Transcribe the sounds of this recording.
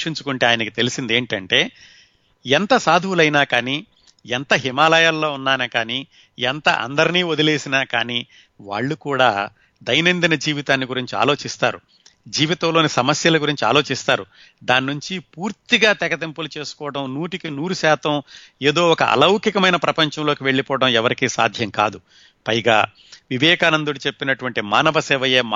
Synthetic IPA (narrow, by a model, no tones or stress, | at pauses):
ʂiɲt͡ʃukuɳʈe̞ːaːjɐnɐkit̪e̞lisind̪e̞ːɳʈɐɳʈe̞ː | ɛnt̪ɐsaːd̪ʱiwulɐjinaːkaːniː | ɛnt̪ɐɦimaːlɐjaːlːo̞ːunːaːnɐkaːniː | ɛnt̪ɐ̰ʔɐ̰nd̪ɐɾiniːod̪ile̞ːsinaːkaːniː | ʋa̰ːɭːukuːɽa̰ː | d̪ɐjnɐnd̪inɐd͡ʒiːʋit̪aːnːiɡuɾiɲt͡ʃia̰ːlo̞ːt͡ʃist̪aːɾṵ | d͡ʒiːʋit̪ɐ̃mlo̞ːnisɐmɐsjɐlɐɡuɾiɲt͡ʃia̰ːlo̞ːt͡ʃist̪aːɾu | d̪aːnːuɲt͡ʃipuːɾt̪iɡaːt̪ɛkɐt̪empulut͡ʃe̞ːsu̥kɔːʋɐʈɐmnuːʈikinuːɾuʃaːt̪ɐme̞ːd̪o̞ːɔkɐ̰ʔɐ̰lɐwkikɐmɐjnɐpɾɐpɐɲt͡ʃɐ̃mloːkiʋe̞ɭːipɔːɐɽɐmɛʋɐɾikiːsa̰ːd̪ʱjɐŋkaːd̪u | pɐjɡaː | ʋiʋɛːkaːnɐnd̪uɽit͡ʃe̞pːinɐʈuʋɐɳʈimaːnɐʋɐsɛːʋɐjeːm